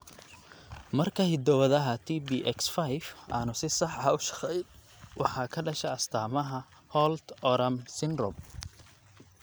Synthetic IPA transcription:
mɐrkʰɐhɪd̪ɔwɐðɐɦɐt̪ʰiːbiːʔɛksfajfʔa̰ːnʊsɪsɑħɐʊʃɑ̥qɛj̪ | wʔɑ̰ħɑːkʰɐɖɐʃɛɐst̪ʰaːmɐɦɐ | hɔlt̪ɔɾɐmsɪnrɔ̰m

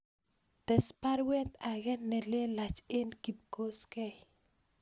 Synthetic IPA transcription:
t̪ɛspaɾwɛt̪aɡɛnːɛlelat͡ʃenkip̚koskɛj

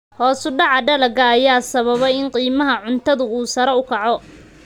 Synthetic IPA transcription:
hɔːsʊɖɑʕɑɖɐlɐɡɐːjaːsɐβɐβɛjɪnqiːmɐɦɐʕʊnt̪ʰɐðʊuːsɐɾɛʊkʰɑʕɔ

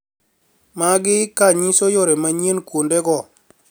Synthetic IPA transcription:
maɡɪkaɲisojoɾemaɲenkwondɛɡɔ

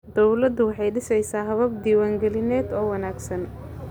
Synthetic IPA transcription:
d̪ɔwlɐd̪ʊwɑħɑjɖɪsɛjsaːɦɐβɐb̚d̪iːwaːŋɡɛlɪnɛːd̪ɔːwɐnaːɡsɐn

